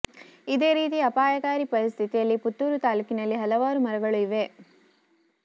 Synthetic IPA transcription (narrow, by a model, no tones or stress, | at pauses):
id̪e̞ːɾiːt̪̬iɐpaːjɐkaːɾipɐɾist̪ʰit̪ijɐlːiput̪ːuːɾut̪aːlukinɐlːiɦɐlɐʋaːɾumɐɾɐɡɐɭuiʋe̞